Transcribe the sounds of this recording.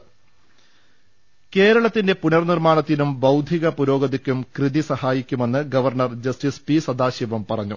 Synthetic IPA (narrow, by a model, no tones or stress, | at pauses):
ke̞ːɾɐɭɐt̪ːinde̞punɐrnirmaːɳɐt̪ːinumbɐwd̪ʱiɣɐpuɾo̞ːɡɐðikʲːumkrɨðisɐhaːjikʲːume̞nːɨɡɐʋɐrɳɐrd͡ʑɐstispisɐd̪aːɕiʋɐmpɐrɐɲːṵ